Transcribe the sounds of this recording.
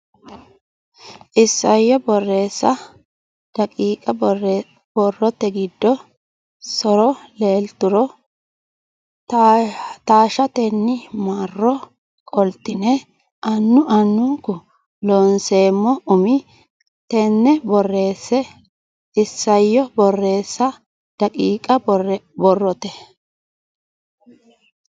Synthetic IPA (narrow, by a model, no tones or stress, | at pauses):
ʔɪsːɐjːɔbɔrːe̞ːsːɐ | d̥ɐkʼiːkʼɐ | b̥ɔrːɔt̪ːɛɡɪd̪ːɔ | sɔɾɔle̞ːlt̪ʊɾɔ | t̪aːʃɐt̪ɛnːɪmaːrːɔ | kʼɔlt̪ːɪnɛ | ʔɐnːʊʔɐnːʊkʊ | loːnse̞ːmːɔʊmɪ | t̪ɛnːɛbɔrːe̞ːsːɛ | ɪsːɐjːɔbɔrːe̞ːsːɐ | d̪̥ɐkʼiːkʼɐbɔrːɔt̪ɛ